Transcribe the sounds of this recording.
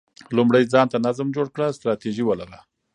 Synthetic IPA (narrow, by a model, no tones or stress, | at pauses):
lumɽajd͡zɑnt̪anazmd͡ʒoɽkɽəst̪ɾɑt̪iʒiwəlaɣa